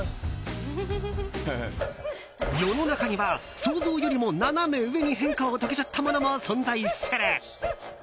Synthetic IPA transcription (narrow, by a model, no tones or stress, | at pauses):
jononakʰaɲibasʰosojuɾimonanameweŋiɦeŋkʰaot̪aɡet͡ɕʰat̪ʰamanamasʌnsʰaiseɾe